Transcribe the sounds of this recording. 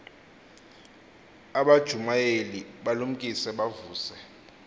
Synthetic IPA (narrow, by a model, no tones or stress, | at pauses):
aɓad̥ʒ̥ʱumajeliɓalum̩kʼisɛɓavuːsɛ